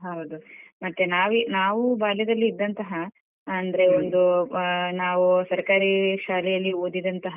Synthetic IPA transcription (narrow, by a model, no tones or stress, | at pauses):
ɦɐwd̪umɐt̪ːenaːʋinaːʋubaːlɛd̪ɐlːiːd̪ːɐnt̪ɐɦɐ | ɐnd̪ɐɾe̞ond̪unaːʋusɐɾkaːɾiʃaːlɛjɐlːioːd̪id̪ɐnt̪ɐɦɐ